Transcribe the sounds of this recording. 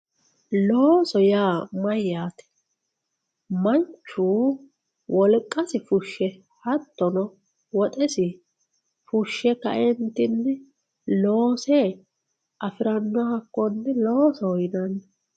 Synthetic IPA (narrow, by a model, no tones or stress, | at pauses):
loːsɔjaːmɐjːaːt̪ɛ̥ | mɐnt͡ʃːuː | wʔɔlkʼːɐsɪfʊʃːɛ | hɐt̪ːɔnɔ | wɔt̪ʼɛsɪ | fʊʃːɛkːɐ̰ʔɛnt̪ːɪnːɛ | loːsɛ | ʔɐfɪɾɐnːɔhɐkːɔnːɛlo̞ːsɔɔjɪd̪ɐnːɛ